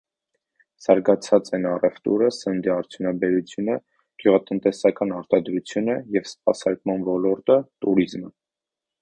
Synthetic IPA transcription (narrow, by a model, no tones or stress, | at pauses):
z̥ɑɾɡɑt͡sʰɑt͡sɛnɑrɛft̪ṵɾəsənd̪iɑɾt͡sʰjunɑbɛɾut͡sʰjunə | ɡ̥juʁɑt̪ənt̪ɛsɑkɑnɑɾt̪ɑd̪ɾut͡sʰjunəjɛvsp̚ɑsɑɾkmɑnvɔlɔɾt̪ət̪uɾizmə